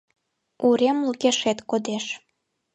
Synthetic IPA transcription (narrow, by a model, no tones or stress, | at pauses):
uɾemləɣeʃet̪kod̪eʃ